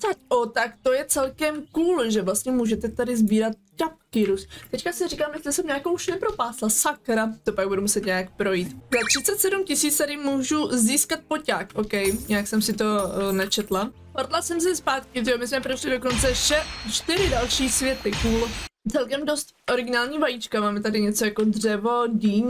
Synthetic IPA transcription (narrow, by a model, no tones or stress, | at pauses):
t̪acot̪akt̪o̞jɛt͡sɛlkɛmkuːlʒɛvlast̪ɲɛmuːʒɛt̪ɛt̪adɪzbiːɾat̪̚cap̚kɪɾust̪ɛckasɪriːkaːmjɛstlɪsɛmɲaːkowʃnɛpɾo̞paːslasakɾat̪o̞paɡ̚budumusɛt̪ɲɛjak̚pɾo̞jiːt̪zat̪r̝̥ɪtt͡sɛt̪sɛdumcɪsiːt͡st̪adɪmuːʒuziːskat̪̚pocaːkʔokɛjɲɪaksɛmsɪt̪o̞nɛt͡ʃɛt̪la | hoɾd̪lasɛms̬ɛspaːt̪kɪɪomɪsmɛpɾoʃlɪdokont͡sɛʃɛt͡ʃt̪ɪɾɪdalʃiːsvjɛt̪ɪkuːlt͡sɛlkɛmdost̪ʔo̞ɾɪɡɪnaːlɲiːvajit͡ʃkamaːmɛt̪adɪɲɛt͡so̞jako̞dr̝ɛvo̞ɟiːɲ